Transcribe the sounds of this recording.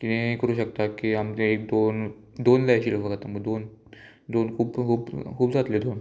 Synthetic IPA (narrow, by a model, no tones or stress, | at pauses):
kit̪ẽikəɾuːɕəkt̪akiamt̪eek̚d̪on | d̪onlaaɕiləfəɡat̪aməɡd̪on | d̪onkʰuːbkʰuːbkʰuːbd͡zat̪led̪on